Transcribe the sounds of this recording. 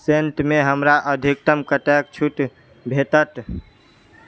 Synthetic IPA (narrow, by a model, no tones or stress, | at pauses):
senʈmeɦəmɾaʔəd̪ʱik̚t̪əmkəʈek̚t͡ʃʰuʈ | bʱet̪ət̪